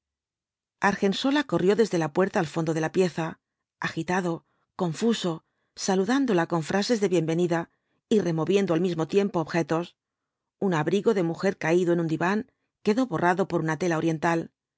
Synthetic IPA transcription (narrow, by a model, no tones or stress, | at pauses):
aɾxe̞nso̞lako̞rjo̞ðe̞zðe̞lapwe̞ɾt̪aːlfo̞nd̪o̞ð̞e̞lapje̞θa | axit̪aðo̞ | ko̞ɱfuso̞ | saluðand̪o̞lako̞ɱfɾase̞zðe̞βje̞mbe̞niða | ire̞mo̞βje̞nd̪o̞almizmo̞t̪je̞mpo̞ːβxe̞t̪o̞s | unaβɾiɣo̞ðe̞muxe̞ɾkaiðoe̞nũnd̪iβaŋ | ke̞ðo̞βo̞rʔaðo̞po̞ɾunat̪e̞lao̞ɾje̞nt̪al